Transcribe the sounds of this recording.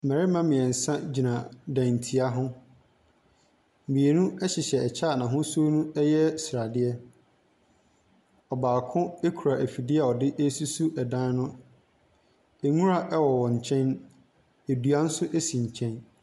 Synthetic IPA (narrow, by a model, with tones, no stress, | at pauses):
mɛ̃˨ɾɪ˦mã˦mɪ̃˨ɛ˨n̩˨sã˦d͡ʑi˨nã˨dã˨n˨tʰi˨˦a˦ɦʊ̃˦˨ | mĩ˨e˨nũ˦ɛ˦ɕɪ˨ɕɛ˨ɛ˨t͡ɕʰa˦˨nã˨ɦʊ̃˦so˦nũ˦ɛ˦jɛ˦sɾa˨dɪ˦ɛ˦ | ɔ˨baː˨kʰʊ̃˦e˦kʰu˨ɾa˨ʔe˨fi˨dɪ˦ɛ˦˨ɔ˨dɪ˦ʔe˦su˦su˦ʔɛ˨dã˦n˦nʊ̃˦ | e˨ŋũ˦ɾa˦ʔɛ˦wɔ˨wɔ̃˨ɲ˨t͡ɕʰɛ̃˦n | e˨du˨a˦n̩˦sʊ˦ʔe˦si˨ɲ̩˨t͡ɕʰɛ̃˦n